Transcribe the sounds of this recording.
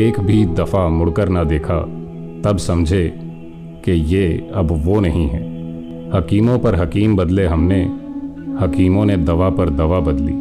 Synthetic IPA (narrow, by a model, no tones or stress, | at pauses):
eːkbʱid̪ɐfamʊɽkəɾnad̪eːkʰa | t̪ɐbsɐmd͡ʒʱe | kejeɐbʋonɐɦĩɦɛ̰̃ː | hɐkiːmõpɐɾɦɐkiːmbɐd̪leɦɐmne | hɐkiːmõned̪ɐʋapɐɾd̪ɐʋabɐd̪lḭː